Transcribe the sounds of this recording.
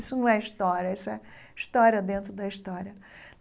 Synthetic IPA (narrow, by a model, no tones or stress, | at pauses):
isʊnɐ̃w̃ɛiʃt̪ɔɾɐisʊɛ | iʃt̪ɔɾjɐd̪ẽnt̪ɾʊd̪ɐiʃt̪ɔɾʲɐ